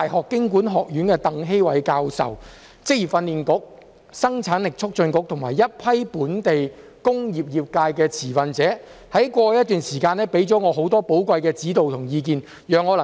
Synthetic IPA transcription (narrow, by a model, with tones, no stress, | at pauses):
t̪ːjɦɔː˨kːɪ˥ŋkuː˨˥nɦɔː˨k̚jyː˨˥nkɛː˧t̪ɐ˨˧ŋɦe˥jwɐ˨˥jkaː˧wsɐ̰˨w | t͡sɪ˥k̚jiː˨˩fɐ˧nliː˨nkʊ˨˥k̚ | sɐ˥ŋt͡sʰaː˨˥nlɪ˨k̚t͡ʃʰʊ˥k̚t͡ʃɵ˧nkʊ˨˥k̚t̪ʰʊ˨˩ŋmaː˨˩jːɐ˥t̚pʰɐ˥jpuː˨˥nt̪e˨j | kʊ˥ŋjiː˨p̚jiː˨p̚kaː˧jkɛː˧t͡sʰiː˨˩fɐ˨nt͡sɛː˨˥ | hɐ˨˥jkʷɔː˧jɐ˥t̪̚yː˨nsiː˨˩kaː˧nɛ˥pe˨˥jt͡sɔː˨˥ŋɔː˨˧ɦo˨˥wt̪ɔː˥po˨˥wkʷɐ˧jkɛː˧t͡siː˨˥t̪o˨wt̪ʰʊ˨˩ŋjiː˧k̬iː˨˧n | jœː˨ŋːɔː˨˧lɐ˨